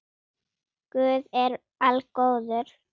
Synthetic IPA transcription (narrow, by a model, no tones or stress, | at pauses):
kvʏːðɛɾ | alkoːwðʏɾ̥